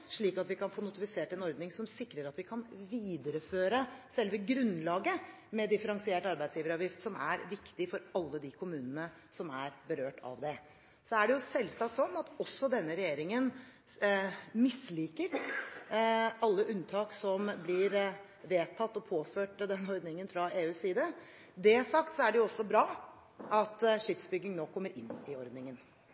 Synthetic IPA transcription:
ʂɭiːkɑt̪ʋɪkɑnfoːnʊt̪ɪfɪseːʈɛnɔɾd̪nɪŋsɔmsɪkːɾəɾɑt̪ʋɪkʰɑnʋiːd̪əɾəføːɾəsɛlʋəɡɾʉnlɑːɡə | mɛd̪ɪfəɾɑŋsɪeːʈɑɾbæɪsjiːʋəɾɑːʋjɪft̪sɔmæ̰ɾʋɪkt̪ɪfɔɾɑlːəd̪ɪkʰʊmʉːnənə | sɔmæɾbəɾøːʈʰɑ̰ʋd̪ɛ | sɔæɖɛjʊsɛlːsɑk̚t̪sɔnːɑt̪ɔsːɔd̪ɛnːəɾɛjeːɾɪŋən | mɪsliːkəɾ | ɑlːəʔʉnt̪ʰɑːksɔmblɪːɾ | ʋeːt̪ʰɑt̪ːɔpʰoːføːʈd̪ɛnːɔɾd̪nɪŋənfɾɑeːʉːsiːd̪ə | d̪ɛsɑkt̪sɔæɖɛjʊɔsːɔbɾɑː | ɑt̪ʂɪfsbʏɡːɪŋnoːkʰɔmːəɾʔɪnːɪɔɾd̪nɪŋən

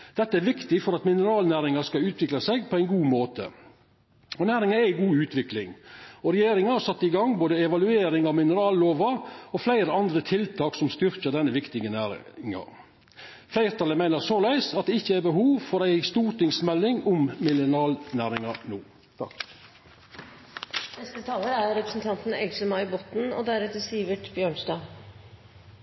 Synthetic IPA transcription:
d̪̥ɛt̪ːəæɾʋɪkt̪ɪfɔɾɑt̪mɪnəɾɑːlnæːɾɪŋɑskɑʉːt̪ʰʋɪklɑsɛɡpʰɔæɪnɡuːmoːt̪ʰə̰ | ɔnæːɾɪŋɑæɡuːʉːt̪ʰʋɪklɪŋɔɾɛjeːɾɪŋɑɑʂsɑt̪ːɪɡɑŋboːd̪əɛʋɑlʉeːɾɪŋɑʋmɪnəɾɑːlːoːʋɑɔflæɪɾəɑnd̪ɾət̪ʰɪlt̪ʰɑːksɔmst̪ʏɾkəd̪ɛnːəʋɪkt̪ɪɡənæːɾŋɑ̰ | flæɪɾt̪ʰɑləmæɪnəsolæɪsɑt̪̚d̪ɛɪçːəæɾbəɦuːʋfɔɾæɪst̪uːɾt̪ɪŋsmɛlːɪŋʊmmɪlənɑːlnæːɾɪŋɑnuː | t̪ʰɑ̰k | nɛst̪ət̪ʰɑːləɾæɾɾɛpɾəsn̩t̪ʰɑnt̪n̩ɛɡsəmɑɪbɔt̪n̩ɔ̰d̪æɾɛt̪əsiːʋəʈbjøːɳsd̪ɑː

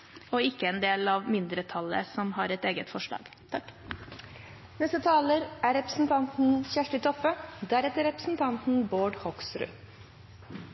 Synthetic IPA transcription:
ɔɪkːəɛnd̪eːlɑʋmɪnd̪ɾət̪ʰɑlə̰sɔmhɑɾɛt̪eːɡət̪fɔʂɭɑ̰ːɡ | t̪ʰɑkː | nɛst̪ət̪ʰɑːləɾæɾɛpɾəsn̩t̪ʰɑnt̪n̩çæʂʈət̪ʰɔpːəd̪æɾɛt̪əɾɛpɾəsn̩t̪ʰɑnt̪n̩boːɖhɔksɾʉ̰

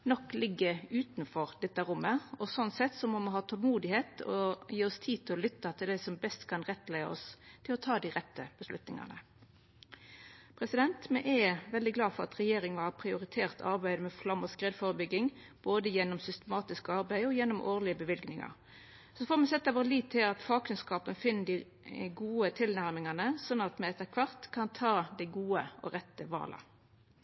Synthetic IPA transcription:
nɔkːlɪɡːəʉːt̪nfɔʁd̪ɛt̪ːəɾʊmːəɔsɔnsɛt̪ːsɔmɔmɛɦɑːt̪ʰɔlmuːd̪ɪheːt̪ɔjiːɔst̪ʰiːt̪ʰɪlɔlʏt̪ːɑt̪ʰɪld̪æɪsɔmbɛst̪kʰɑnʁɛt̪ːlæɪɑ̰ɔ̰st̪ʰɪlɔt̪ʰɑːd̪ɪʁɛt̪ːəb̥əslʉt̪nɪ̰ŋɑ̰nə̰ | pʰɾɛsɪd̪ɛnt̪mɛʔɛʋɛld̪ɪɡlɑːfɔʁɑ̰t̪ʁɛjeːɾɪŋʋɑpʰɾɪʊɾɪt̪ʰeːʁt̪ʰɑ̰ɾbæɪd̪əmɛflɑmɔskʁeːd̪foːɾəbʏɡːɪŋ | b̥oːd̪əjɛnːɔmsʏst̪əmɑːt̪ɪskəɑʁbæɪɔjɛnːɔmʔoːʁlɪəbəʋɪlɡnɪŋɑ̰ʁ | sɔfɔʁmɛsɛt̪ːɑʋɔliːt̪ʰːɪlɑt̪fɑːkʰʉnskɑːpənfɪnːəd̪ɪ | ɡuːət̪ʰɪlnæʁmɪŋɑnəsɔnːɑt̪mɛɛt̪ːəkʰʋɑʁt̪kʰɑnt̪ʰɑːd̪æɪɡuːəʔɔ̰ʁɛt̪ːəʋɑ̰ːlə̰

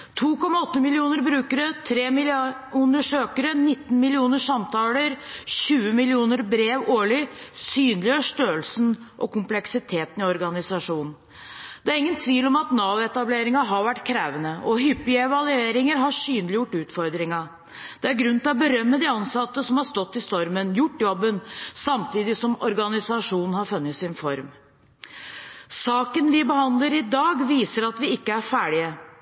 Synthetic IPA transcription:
t̪ʰuːkɔmːɑɔt̪ːəmɪlɪuːnəɾbɾʉːkəɾət̪ʰɾeːmɪ | ʉnd̪əʂøːkəɾənɪt̪ːn̩mɪlɪuːnəʂɑmt̪ʰɑːləɾçʉːəmɪlɪuːnəɾbɾeːʋoːɭɪsyːnlɪøʂt̪øːlsn̩ʔɔkʊmplɛksɪt̪ʰeːt̪nɪɔɾɡɑnɪsɑʂuːnn̩ | d̪̥ɛæɾɪŋːənt̪ʰʋiːʋlɔmɑt̪nɑːʋɛt̪ɑbleːɾɪŋɑɦɑɾʋæʈːkʰɾeːʋənəʔɔɦʏpːɪɛʋɑlʉeːɾɪŋəɾɦɑʂyːnlɪjʊʈːʉːt̪fɔɾd̪ɾɪŋɑ | d̪̥ɛæɾɡɾʉnt̪ɪlɔbəɾœmːəd̪ɪɑnsɑt̪ːəsɔmhɑɾst̪ɔt̪ːɪst̪ɔɾmənjʊʈːjɔbːənsɑmt̪iːd̪ɪsɔmɔɾɡɑnɪsɑʂuːnn̩hɑɾfʉnːət̪sɪnfɔɾm | sɑːkənʋɪbəhɑnd̪ləɾɪd̪ɑːɡʋiːsəɾɑt̪ʋɪɪkːəæɾfæːɽɪə

